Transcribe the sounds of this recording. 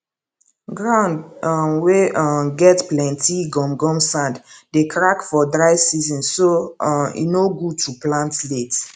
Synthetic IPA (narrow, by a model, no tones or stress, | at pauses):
ɡɹãʊ̃ndweɡɛtplɛ̃ntiɡɔ̃mɡɔ̃msãnddekʰɹakfɔdɹaɪsizɔ̃nsoḭnoɡutʰuplãntlet